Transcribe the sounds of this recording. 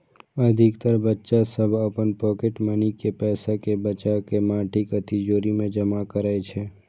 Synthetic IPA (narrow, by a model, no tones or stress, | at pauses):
əd̪ʱɪkt̪əɾbətːʃasəbʱəpənpɔːkeʈmənikepɛːsakebət͡ʃakemãːʈʰikət̪id͡ʒoːɾimẽd͡ʒəmakəɾaet͡ʃʰɛː